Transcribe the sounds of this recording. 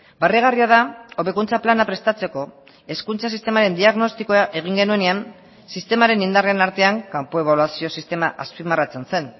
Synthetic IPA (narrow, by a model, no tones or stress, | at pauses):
bareɣ̞ariaðao̞βe̞kunt͡saplanapɾe̞st̪at͡se̞ko̞ | e̞skunt͡sas̬ist̪e̞maɾe̞nd̪iaɣno̞st̪iko̞aʔe̞ɣ̞iŋɡe̞nue̞nean | sist̪e̞maɾe̞nind̪arienaɾt̪e̞aŋkampo̞e̞β̞olwasio̞sist̪e̞maʔaspimarat͡se̞nse̞n